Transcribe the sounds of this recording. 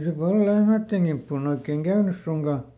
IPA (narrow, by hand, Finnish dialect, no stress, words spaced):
se pɑl lehmæˑtːeŋ ɡ̊impːuːn oikˑeŋ kæynys suŋkɑˑ